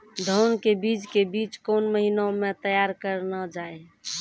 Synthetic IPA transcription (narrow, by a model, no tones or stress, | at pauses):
d̪ʱənkebid͡ʒkebit͡ʃkonməɦinaomẽt̪əjaɾkəɾnəd͡ʒae